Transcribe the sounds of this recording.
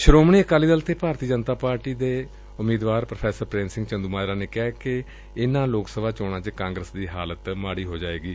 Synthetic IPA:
ʃəɾoːmɳiːəkaːliːd̪əlt̪eːpaːɾt̪iːd͡ʒənt̪aːpaːɾʈiːd̪eː | ʊmiːd̪ʋaːɾpɾəpʰɛːsəɾpɾẽːnsɪ̃ŋɡt͡ʃənd̪uːmaːjɾãːneːkɛːkɪ | ɪnãːloːksəbaːt͡ʃɔːɽ̃ãːt͡ʃkãːŋɡɾəsd̪iːɦaːlət̪maːɽiːɦoːd͡ʒaːeːɡiː

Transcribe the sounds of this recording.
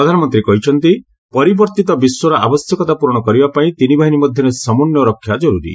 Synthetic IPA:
pɾɔd̪ʱanɔmɔnt̪ɾikɔɦit͡ʃʰɔnt̪i | pɔɾibɔɾt̪it̪ɔbiswɔɾɔʔa̰bɔsjɔkɔt̪apuɾɽ̃ɔkɔɾibapaĩt̪inibʱaɦinimɔd̪ʱjɔɾesɔmɔnjɔɾɔkʰːjad͡ʒɔɾuɾḭ

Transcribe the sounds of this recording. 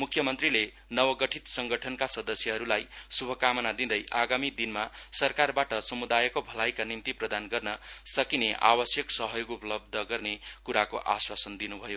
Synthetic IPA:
mukʰjʌmʌnt̪rile | nʌwʌɡʌʈʰit̪sʌŋɡʌʈʰʌnkasʌd̪ʌsjʌɦʌɾulajsubʱʌkamʌnad̪id̪ʌjʔaɡamid̪inmasʌrkarbaʈʌsʌmud̪ajekobʱʌlajkanimt̪iprʌd̪anɡʌrnʌsʌkineʔa̰bʌsjʌksʌɦʌjoɡupʌlʌb̚d̪ʱʌɡʌrnekuɾako̰ʔaswasʌnd̪inubʱʌjo

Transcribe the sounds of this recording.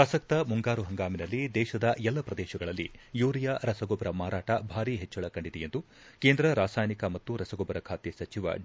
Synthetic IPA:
pɾɐsɐk̚t̪ɐmuŋɡaːɾuɦɐŋɡaːminɐlːid̪ɛːʃɐd̪ɐʔɛlːɐpɾɐd̪ɛːʃɐɡɐɭɐlːḭjuːɾijaɾɐsɐɡɔbɐɾɐmaːɾaːʈɐbʱaːɾiɦɛt͡ʃːɐɭɐkɐɳɖid̪ɛjend̪u | keːnd̪ɾɐɾaːsaːjnikɐmɐt̪ːuɾɐsɐɡɔbɐɾɐkʰaːt̪esɐt͡ʃiʋɐ̰

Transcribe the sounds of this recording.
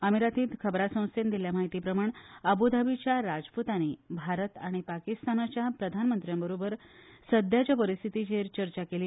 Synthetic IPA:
əmiɾat̪iːt̪kʰəbɾasə̃st̪end̪iljamaɦit̪iːpɾəmaɳəbud̪ʱabit͡ɕjaɾad͡zput̪aniːbʱaɾət̪aɽ̃ipakist̪anat͡ɕjapɾəd̪ʱanmənt̪ɾijãmbəɾobəɾsəd̪ʱjat͡ɕjapəɾist̪ʰit̪id͡ʑeɾt͡ɕəɾt͡ɕakeliː

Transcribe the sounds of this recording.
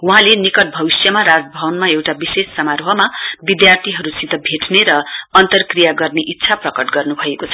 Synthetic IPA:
uɦãlenikʌʈ̚bʱʌbisjʌmaɾad͡zbʱʌwʌnmaewʈabisesːʌmarɦʌmabid̪jart̪ʰiɦʌɾusit̪ʌbʱeʈneɾʌʌnt̪ʌrkrijaɡʌrneʔitːsʰaprʌkʌʈɡʌrnubʱʌekot͡sʰʌ

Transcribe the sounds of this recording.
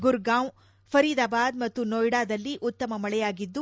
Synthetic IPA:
ɡuɾɡaːm | pʰɐɾid̪aːbaːd̪mɐt̪ːunoːjɽaːd̪ɐlːiʔut̪ːɐmɐmɐɭɛjaːɡid̪ːu

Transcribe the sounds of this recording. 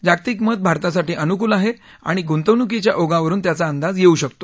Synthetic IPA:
d͡ʑakt̪iːkmət̪̚bʱaɾt̪asaʈiːʔənukuːlaɦe | a̰ɽ̃iɡunt̪əʋnuk̬et͡ɕjaʔoɡãʋəɾuːnt̪jat͡saənd̪ad͡zjeuɕəkt̪o

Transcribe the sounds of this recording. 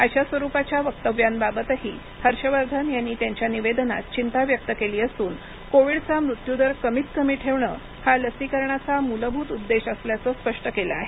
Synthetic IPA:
at͡ɕjasʋəɾupat͡ɕjaʋək̚t̪əʋjambabət̪əɦiːəɾɕəʋəɾd̪ʱənjanːiːt̪jaɲt͡ɕjaniʋed̪na̰t̪̚t͡ɕint̪aʋjək̚t̪əkeliːəsuːn | koʋiːɽt͡samɾut̪jud̪əɾkəmit̪kəmiːʈʰeʋɳə̰ː | haləsikəɾɳat͡samuləbʱuːt̪ud̪ːeɕəsljat͡sɔːspəʂʈəkela̰aɦe

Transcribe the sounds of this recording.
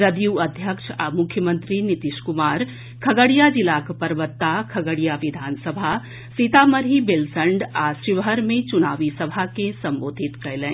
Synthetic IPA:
ɾəd̪juəd̪ʱjəkʃʰamʊkʰjəmənt̪ɾinit̪iʃkumaːɾ | kʰəɡəɽijad͡ʒilakpəɾʋət̪ːakʰəɡəɽijaʋid̪ʱansəbʱa | sit̪aməɾɦibelsəɳɖaʃiʋɦəɾmẽt͡ʃunaːʋisəbʱakesəmboːd̪ʱit̪kɐjlɛ̃

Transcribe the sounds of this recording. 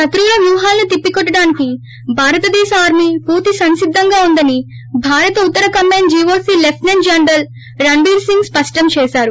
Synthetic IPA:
ʃɐt̪ɾuːlɐʋjuʋɐɦaːlɐnut̪ipːikɔʈːɐɽaːniki | bʱaːɾɐt̪ɐd̪ɛːʃɐaːɾmipuːɾt̪isɐnʃid̪ʱːɐŋɡaːund̪ɐni | bʱaːɾɐt̪ɐut̪ːɐɾɐkɐmːaːnd͡ʒiːʋoːsiːlefʈnend͡ʒɐnɾɐl | ɾɐɳɖiːɾsiŋɡspɐʂʈɐmt͡ʃɛːʃaːɾu

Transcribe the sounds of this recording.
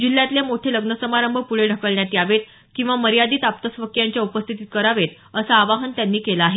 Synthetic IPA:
d͡ʑil̤jat̪ljamoʈʰeləɡnəsəmaɾəmbʱəpuɭeɖʱəkəɭɳjat̪iːaʋet̪ | kĩw̃ʋaməɾijad̪iːt̪ap̚t̪əsʋəkjaɲt͡ɕjaupəst̪ʰit̪iːt̪̚kəɾaʋet̪ | əsaːʋaɦənt̪janːiːkelaːɦe

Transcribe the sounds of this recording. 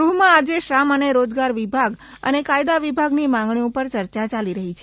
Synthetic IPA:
ɾuɦmãad͡ʒeʃɾaməneɾod͡ʒɡaɾʋibʱaɡ | ə̰nekajd̪aʋibʱaɡnimãŋɡɳ̃iũpəɾt͡ʃəɾt͡ʃat͡ʃaliɾəɦit͡ʃʰe

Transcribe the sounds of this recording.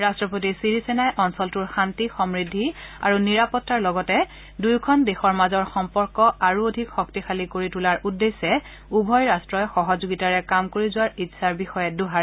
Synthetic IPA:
ɹastɹɔpot̬isiɹisɛnajʔɔnsɔltʊɹxantixɔmɹidʱːia̰ɹuniɹapɔtːaɹlɔɡɔtɛ | dujkʰɔndexɔɹmazɔɹxɔmpɔɹkɔaɹuodʱikxɔk̚tixʰalikoɹitulaɹʔudːesɛ | ubʱɔjɹastɹɔjxɔɦɔzuɡitaɹɛkamkoɹizʊwaɹitsaɹbixɔjɛduɦaɹ

